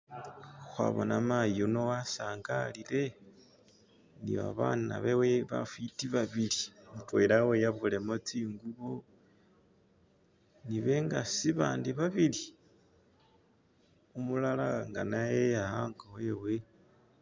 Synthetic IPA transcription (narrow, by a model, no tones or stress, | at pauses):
xwa̰βo̞̰namajono̞wasaːŋɡalile̞ | niβa̰βana̰βeweβa̰fitiβaβilimutwelawejaβule̞mot͡siːŋɡuβo | niβe̞ŋɡasiβaːndiβaβili | umulalaŋɡanajeahaːŋɡowewe̞